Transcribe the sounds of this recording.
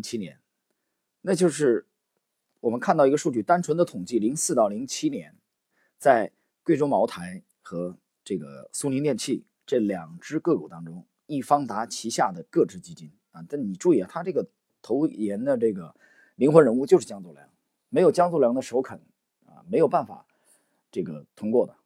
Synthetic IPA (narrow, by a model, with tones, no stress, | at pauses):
t͡ɕʰi˥njɛ̰˧˥n | na˥˧t͡ɕjo˥˧ʊʂɻ̩˥˩ | wɔ˨˩mə˦nkʰa˥˧t̪ɑ˥˩˧ɡə˧ʂu˥˧t͡ɕy˥˩t̪a˥nʈ͡ʂʰwə˧˥nd̪ə˧t̪ʰʊ˨˩ŋt͡ɕi˥˩li˧˥ŋsɹ̩˥˧ɑ˥˩ʊli˧˥ŋt͡ɕʰi˥njɛ˧˥n | t͡sa˥˩ɪ | kwe˥˩ɪʈ͡ʂo˥ŋmɑ˧˥ʊt̪ʰa˧˥ɪ | xɤ˧˥ | ʈ͡ʂɤ˥˩ɡə̰˩su˥ni˧˥nt̪jɛ˥˧nt͡ɕʰi˥˩ | ʈ͡ʂɤ˥˩ljɑ˨˩ŋʈ͡ʂɻ̩˥kɤ˥˩kṵ˨˩t̪ɑ˥ŋʈ͡ʂʊ˥ŋ | i˥˩fɑ˥ŋt̪a˧˥t͡ɕʰi˧˥ɕja˥˩d̪ə˩kɤ˥˧ʈ͡ʂɻ̩˥˩t͡ɕi˥t͡ɕi˥n | ɐ˧˩t̪a˥˩ni˨˩ʈ͡ʂu˥˧i˥˩ə˨˩t̪ʰa˥ʈ͡ʂɤ˥˩ɡə˩ | t̪ʰo˧˥ʊjɛ˧˥nd̪ə˧ʈ͡ʂɤ˥˩ɡə˩ | li˧˥ŋxwə˧˥nɻə˧˥nu˥˧˩t͡ɕjo˥˧ʂ̩˥˩t͡ɕjɑ˥ŋt͡swɔ˥˩ljɑ̰˧˥ŋ | me˧˥ɪjʊt͡ɕjɑ˥ŋt͡swɔ˥˩ljɑ˧˥ŋd̪ə˧ʂ̩˥˧˥ʊkʰə˨˩˦n | ɐ̰˧me˧˥ɪjo˨˩ʊpa˥˩nfa̰˨˩˦ | ʈ͡ʂɤ˥˩ɡə̰˩t̪ʰʊ˥ŋkwɔ˥˩d̪ə˩